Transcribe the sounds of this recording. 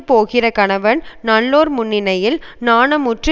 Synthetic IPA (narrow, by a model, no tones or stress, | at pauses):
poːɣɪrɐkɐɳɐʋɐnnɐɭːoːɾmʊɳːɪnɐjɪlnaːnɐmʊʈrɯ